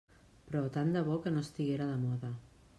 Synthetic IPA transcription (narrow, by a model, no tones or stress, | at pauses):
pɾɔt̪and̪əβ̞okənost̪iɣeɾaðəmɔðɐ